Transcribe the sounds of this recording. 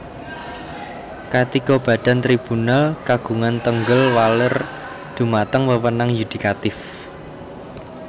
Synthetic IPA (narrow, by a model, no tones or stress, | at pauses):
kat̪ikɔb̥ä̤ɖ̥a̤nt̪ɾib̥unalkaɡ̥ṳŋant̪əŋɡəlwalər | d̪̥ṳmat̪əŋwəwənaŋjud̪̥i̤kat̪ɪf